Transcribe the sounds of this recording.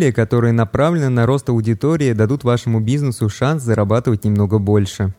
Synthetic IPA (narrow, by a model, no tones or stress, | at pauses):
lʲɪjəkɐt̪o̞ɾɨjənɐpɾavlʲɪnɨnɐɾo̞st̪ɐʊdʲɪt̪o̞ɾʲɪɪd̪ɐd̪ut̪vaʂɨmʊbʲiznəsʊʂanszəɾɐbat̪ɨvət̚ʲnʲɪmno̞ɡəbo̞lʲʂɨ